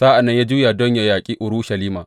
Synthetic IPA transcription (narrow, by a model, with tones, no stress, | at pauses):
saː˦ʔa˨nːɐ˦ɲjaː˦d͡ʒuː˦jaː˨dɔ˦ɲja˨jaː˨kʲʼiː˦ʔʊ˨ɾuː˦ʃɐ˨liː˦maː˨